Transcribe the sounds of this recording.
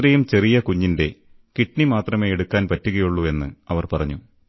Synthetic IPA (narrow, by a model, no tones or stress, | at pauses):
rɐjumt͡ɕe̞rijɐkuɲːinde̞ | kiʈɳimaːt̪rɐme̞ːeɽukːaːnpɐtːuɣɐjuɭːue̞nːɨɐʋɐrpɐrɐɲːu